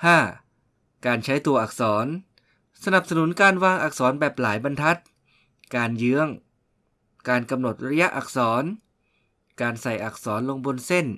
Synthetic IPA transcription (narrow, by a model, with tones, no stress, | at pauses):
haː˥˩ | kaː˧nt͡ɕʰa˦˥jt̪u˧ɐʔaː˨˩k̚sɔː˩˦n | sa˧na˨˩p̚sa˧nu˩˦nkaː˧nwaː˧ŋʔa˨˩k̚sɔː˩˦nbɛː˨˩p̚laː˩˦jba˧nt̪ʰa˦˥t̪̚ | kaː˧njɯ˦˥əŋ | kaː˧nka˧mno˨˩t̪̚ɾa˧ja˦˥ʔa˨˩k̚sɔː˩˦n | kaː˧nsa˨˩jʔa˨˩k̚sɔː˩˦nlo˧ŋbo˧nse˥˩n